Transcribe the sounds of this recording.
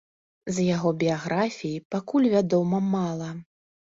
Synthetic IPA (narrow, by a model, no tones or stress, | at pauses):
zjaɣɔbʲijaɣɾʔafʲijipakulʲvʲad̪ɔmɐmalˠɐ